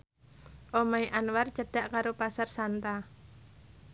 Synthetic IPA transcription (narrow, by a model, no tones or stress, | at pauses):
ʔomaiʔanwart͡ʃaɖ̥aʔkaɾopasarsant̪a